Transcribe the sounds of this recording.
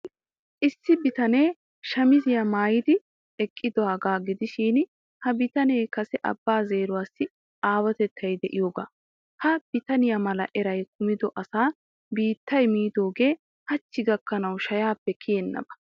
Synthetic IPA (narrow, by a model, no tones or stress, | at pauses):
ʔɪsːɪbɪt̪ɐne̞ː | ʃɐmɪzɪjɐmaːjɪd̪ɪ | ɛkʼːɪd̪ɔhɐɡaːɡɪd̪ɪʃiːn | hɐbɪt̪ɐneːkɐsɛʔɐ̰bːaːze̞ːɾʊwaːsːɪ | ʔaːwɐt̪ɛt̪ʰːɐjd̪ɛʔɪjoːɡa̰ː | hɐb̥ɪt̪ɐnɪjɐmɐlɐ̰ʔɛɾɐjkʊmɪd̪ɔʔɐsaː | biːt̪ːɐjmiːd̪o̞ːɡe̞ː | hɐt͡ʃːɪɡɐkːɐnɐwʃɐjaːpːɛkʰɪjɛnːɐ̰bɐ̥